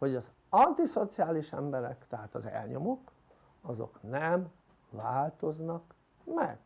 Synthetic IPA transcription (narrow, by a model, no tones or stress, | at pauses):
ho̞ɟɒz | ɒnt̪iso̞t̪siaːliʃɛmbɛɾɛkt̪ɛɦaːt̪ɒzɛ̰lɲo̞mok | ɒzo̰knɛm | vaːlt̪o̞znɒk | mɛ̰ɡ̥